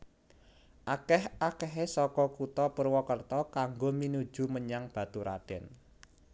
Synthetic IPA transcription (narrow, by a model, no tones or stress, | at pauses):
ʔakɛhʔakɛɦesɔkɔkut̪ɔpərwɔkərt̪ɔkaŋɡominud̥ʒ̥ṳməɲaŋb̥ä̤t̪uɾa̰ɖ̥ɛn